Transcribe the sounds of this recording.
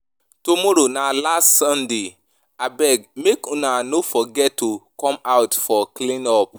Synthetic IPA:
tomɔɾonalastsɔ̃nde | abɛɡmekɔ̃nanofɔɡɛttːokɔ̃maʊtfɔklĩnɔp̚

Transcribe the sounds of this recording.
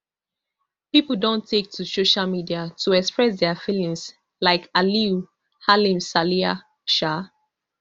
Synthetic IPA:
pipəl̩ˠdõntʰek̚tʰusoʃalmidiatʰuɛkspɹɛs̬dɛəfilĩŋs | laɪkaliu | halĩmsalia | ʃa

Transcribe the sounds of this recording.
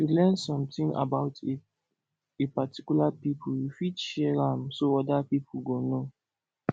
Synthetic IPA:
julɛ̃nsɔ̃mtĩŋa̰baʊt | epati̥kjulapipʰuljufidʃɛɹãmsoɔdapipʰuɡono

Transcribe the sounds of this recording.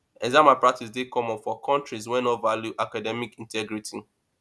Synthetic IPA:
ɛzamapɹak̚tis̬dekɔ̃mɔ̃nfɔkʰɔ̃ntɹizwɛnɔtvaljuʔakadɛmikĩntɛɡɹitʰi

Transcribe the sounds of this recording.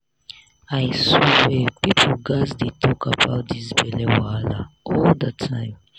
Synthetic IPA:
aɪsowɛpipʰl̩ɡasdetʰɔkʰabaʊt̚disbɛlɛwala̰ɔldətʰãɪ̃m

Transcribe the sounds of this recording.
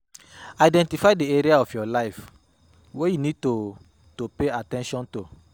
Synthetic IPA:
aidɛ̃ntifaɪdeeɾiaɔfjɔlaɪf | wejunid̚to | topeatɛ̃nʃɔ̃nto

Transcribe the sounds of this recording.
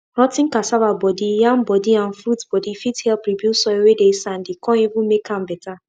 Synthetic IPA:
ɾɔtɪ̃ŋ̩kasavabɔdijãmbɔdiãn̩fɾutbɔdifithɛlpɾibjusɔewedesan̩dɪkɔ̃nivũmekam̩bɛta

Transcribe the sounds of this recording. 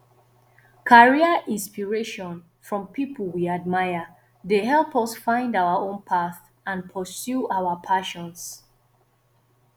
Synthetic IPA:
kʰaɹiəʔĩnspiɹeʃɔ̃n | fɹɔ̃mpʰipʰəl̩ˠwiad̚maɪə | deɦɛlˠpɔsfãɪ̃ndaʊəõnpʰaθ | ʔãnpʰəsjuawəpʰaʃɔ̃ns

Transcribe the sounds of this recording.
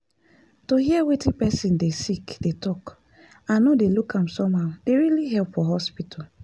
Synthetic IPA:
tohiɛwetĩnpɛsĩndesikd̥etɔk | ãnnodelukʰãmsɔ̃maʊd̥eɹiliɦɛlpfɔɦɔspitʰal

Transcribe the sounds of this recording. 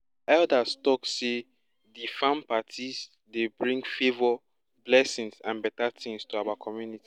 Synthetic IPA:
ɛldastɔkse | difãmpatʰiz | debɹĩŋɡfevɔ | blɛsĩŋsãnbɛtatĩŋstuawakʰɔmjuniti

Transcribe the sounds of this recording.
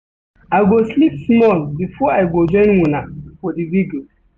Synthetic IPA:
aɪɡoslipsmɔlbifɔaɪɡod͡ʒɔ̃ɪ̃nwunafɔdiviɡo

